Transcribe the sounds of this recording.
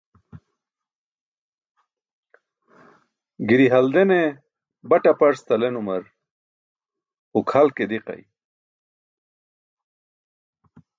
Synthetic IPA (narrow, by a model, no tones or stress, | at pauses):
ɡiɾiɦɐld̪ene | bɐʈapɐɾst̪ɐlenumɐɾ | ukʰhɐlked̪iqɐ̰j